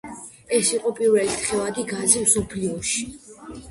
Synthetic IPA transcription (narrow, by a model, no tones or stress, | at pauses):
ɛsiqʼɔpʼiɾvɛlit̪ʰχɛvad̪iɡazimsɔpʰliɔʃi̥